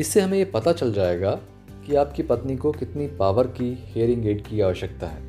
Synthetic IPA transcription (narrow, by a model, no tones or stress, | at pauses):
ɪsːeɦɐmẽjepɐt̪at͡ʃɐld͡ʒaːeːɡa | kiaːpkipɐt̪nikokɪt̪nipaːʋəɾkiheːəɾɪ̃ŋɡeːʈ̚kiaːʋəʃək̚t̪aɦɛ̰ː